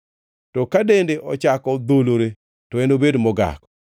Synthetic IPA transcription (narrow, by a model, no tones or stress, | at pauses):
tɔkadendeʔɔt͡ʃakɔd̪oloɾe | tɔenobedmɔɡa̰kɔ̥